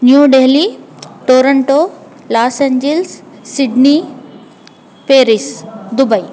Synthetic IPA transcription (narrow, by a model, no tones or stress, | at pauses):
njuɖeːliʈoːɾəɳʈo | laːseɲd͡ʒelsːiɖni | peːɾisd̪ubɐi